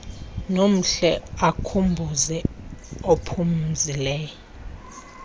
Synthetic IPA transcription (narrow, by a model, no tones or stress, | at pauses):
nom̩ɬɛakʰumbʱuzɛopʰum̩zilɛːjɔ